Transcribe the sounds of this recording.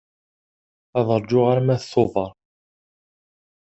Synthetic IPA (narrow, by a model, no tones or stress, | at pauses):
æðˤəɾˤd͡ʒʊʁaɾmæθθoðˤəɾˤ